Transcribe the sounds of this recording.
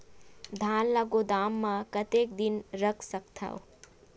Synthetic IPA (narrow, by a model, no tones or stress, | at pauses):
d̪ʱaːnlaɡod̪aːmːãkɐt̪eːkd̪ɪnɾəkʰsɐkt̪ʰa̰o